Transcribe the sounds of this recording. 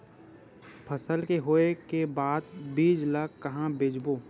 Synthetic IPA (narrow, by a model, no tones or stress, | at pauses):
pʰəsəlkeɦoːekebaːd̪biːd͡ʒlaːkːɐɦãbed͡ʒboː